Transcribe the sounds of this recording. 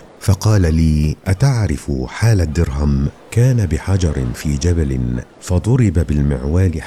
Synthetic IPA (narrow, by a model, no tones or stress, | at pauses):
fɑqɑːlaliːʔat̪aʕɾɪfħaːlad̪ːɪɾɦam | kaːnabɪħad͡ʒɑɾˤɪnfiːd͡ʒabalɪn | fɑd̪ˤʊɾɪbabɪlmɪʕwaːlɪ